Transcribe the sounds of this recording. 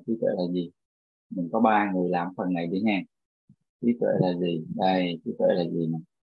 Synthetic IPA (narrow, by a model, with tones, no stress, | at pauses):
ti˨˦˥t̪wḛ˧˥˨laː˨˩zi˨˩ | mï˨˩ŋ̟kɔ˨˦ɓaː˧ŋɨ˨˩əjlaː˧˩mfə˨˩nŋa˨˩jɗi˨˧˦haː˧ŋ | ti˨˦t̪wḛ˧˨laː˨˩zi˨˩ɗa˧˩jti˨˦t̪wḛ˧˩˥laː˨˩zi˨˩na˨˩j